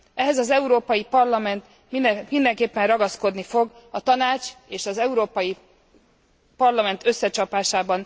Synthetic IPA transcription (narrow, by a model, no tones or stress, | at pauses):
ɛɦɛzɒzɛuɾoːpɒjipɒrlɒmɛnt̪ | mimind̪ɛŋkeːpːɛnrɒɡɒsko̞d̪nifo̞ɡ | ɒt̪ɒnaːt͡ʃeːʃɒzɛuɾoːpɒji | pɒrlɒmɛnt̪ʰø̞sːɛt͡ʃɒpaːʃaːbɒn